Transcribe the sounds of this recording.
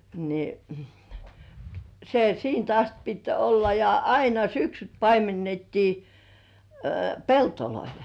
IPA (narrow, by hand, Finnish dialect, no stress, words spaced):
ni se siːnt ɑst pit olːɑ jɑ ɑinɑ syksyt pɑimenːetːiː peltoloil